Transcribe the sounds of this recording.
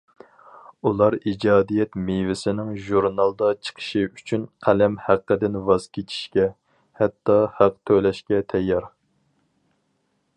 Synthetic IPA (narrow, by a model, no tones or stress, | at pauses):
ulˠɑɾid͡ʒɑːd̪ijɛt̪mevɪsɪnɪŋʒuɾnɑlˠd̪ɑt͡ʃʰə̥qʰə̥ʃiyt͡ʃʰynqʰælɛmhæqːəd̪ɪnvɑzkʲʰet͡ʃʰi̥ʃkʲɛ | hɛt̪ːɑhæqt̪ʰølɛʃkʲɛt̪ʰɛjːɑɾ